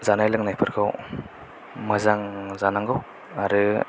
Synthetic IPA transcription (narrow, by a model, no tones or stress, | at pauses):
zanajlɯŋnajpʰɯɾkʰaw | mɯzaŋzanaŋɡɯw | aɾɯ